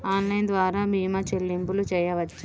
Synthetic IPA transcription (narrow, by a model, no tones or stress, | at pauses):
aːnlɐjnd̪ʋaːɾaːbiːmɐt͡ʃelːimpulut͡ʃɛːjɐʋɐt͡ʃːa